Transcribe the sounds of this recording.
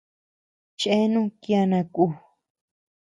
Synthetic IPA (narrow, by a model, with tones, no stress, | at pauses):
t͡ʃʔe˦nũ˦kja˧nã˧ku˧˨